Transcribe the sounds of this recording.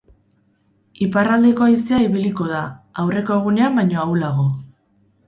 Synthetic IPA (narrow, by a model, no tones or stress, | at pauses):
iparald̪eko̞ajseaiβiliko̞ðaawre̞ko̞eɣ̞une̞ambajɲo̞awlaɣo̞